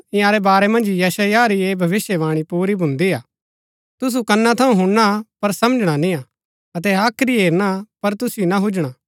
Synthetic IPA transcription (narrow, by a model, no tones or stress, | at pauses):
ɪ̃jãːɾɛbaːɾɛmɐ̃nd͡ʒjɐsajaɾieːbʱɐʋɪsjeʋaːɽ̃ipuːɾibʱʊ̃nd̪iaː | t̪ʊs̬ukɐnːat̪ʰɐũɦʊ̃ɽɽ̃apɐɾsɐmd͡ʒɽ̃anĩãː | ɐt̪̬ɛaːkʰɾiɦeːɾɽ̃apɐɾt̪ʊsɪjonaɦʊd͡ʒɽ̃aː